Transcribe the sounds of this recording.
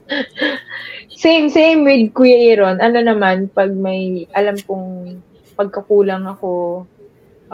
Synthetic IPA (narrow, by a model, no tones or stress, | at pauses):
sejmsejmwɪd̪̚kujɐjɾonʔɐno̞nɐmanpɐɡ̚mɐjʔɐlamkoŋ | pɐɡ̚kɐkuːlɐŋɐko̞